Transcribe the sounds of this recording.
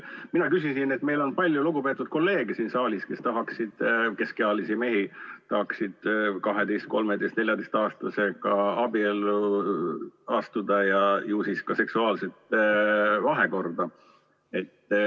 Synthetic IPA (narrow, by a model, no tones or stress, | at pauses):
minɑkysinsine̞t̪me̞jlo̞npɑlʲjuluɡ̥upe̞ːt̪ːˑud̪̥̚ko̞lːe̞ːɡ̥esiːnsɑːlʲiske̞st̪ɑɦɑksid̪̥ke̞skeɑlisime̞ɦit̪ɑhɑksid̪̥kɑɦe̞d̪e̞jst̪̚ko̞lme̞d̪ejst̪ne̞lʲjɑd̪ejst̪ɑːst̪ɑse̞ɡ̥ɑɑbielːu | ɑst̪ud̪̥ɑjɑjuːsiskɑse̞ksuɑːlset̪ | vɑɦe̞ko̞rd̪̥ɑ | e̞t̪ː